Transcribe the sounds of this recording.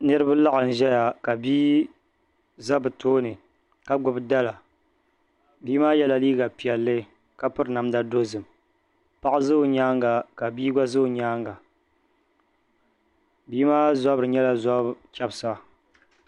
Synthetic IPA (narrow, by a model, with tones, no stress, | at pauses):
nɨ˦ɾɨ˦ba˦la˦ʔɨ˨n̩˨ʒɛ˦ja˨ka˨biː˦ | za˦bɨ˨tʰoː˦nɨ˨ | ka˦ɡʊ˨bda˦la˨ | biː˦maː˦jɛ˦la˨liː˦ɡa˨pi˨jɛ˨lːɨ˦ | ka˦pɨ˦ɾna˨mda˦do˦zɨ˨m | pa˦ʔzɨ˦ʊ˨ɲaː˦ŋɡa˨ka˨biː˦ɡa˦zɨ˦˨ɲaː˦ŋɡa˨ | biː˦maː˦za˦bɾɨ˨ɲɛ˦la˨za˦bkʲɛ˦bsa˦